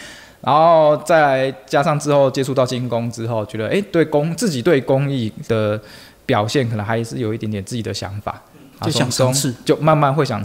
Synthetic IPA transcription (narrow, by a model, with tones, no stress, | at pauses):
na˧˦nxo˥˧ʊt͡sa˥˩ɪla˧˦ɪt͡ɕja˦ʂɑ˥˨ŋt͡sɻ̩˥xo˥˩ʊt͡ɕjɛ˥ʈ͡ʂʰu˥˧t̪ɑ˥˨ʊt͡ɕi˦ŋkʊ˦ŋʈ͡ʂɻ̩˦xo˥˨ʊt͡ɕɥɛ˧˥d̪ə˧ʔe˥ɪt̪we˥˩ɪkʊ˥ŋt͡sɹ̩˥˩t͡ɕi˨˩t̪we˥˩ɪkʊ˦ŋi˥˩d̪̥ə˨˩ | pjɑ˨˩ʊɕjɛ˥˩nkʰə˨˩nə˧˦ŋxa˧ɪ˨˩ʂɻ̩˥˩jo˨˩i˥˩jt̪jɛ˨nt͡sɹ̩˥˩t͡ɕi˨˩d̪ə˦ɕjɑ̰˧˥ŋfa̰˨˩ | a˧˥˨o˥ŋ˧t͡ɕjo˥˧ʊma˥˧nma˥˧nxwe˥˩ɪɕjɑ̰˨˩